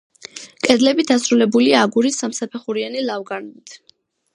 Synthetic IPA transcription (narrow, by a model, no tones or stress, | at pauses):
kʼɛd̪lɛbid̪asɾulɛbuliaːɡuɾisːamsapʰɛχuɾianilavɡanlit̪ʰ